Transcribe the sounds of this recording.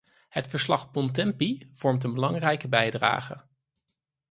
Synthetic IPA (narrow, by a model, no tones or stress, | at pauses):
hətfəɹslɑχpɔntɛmpiv̥ɔɹmtənbəlɑŋrɛjkəbɛjdra̰ːχə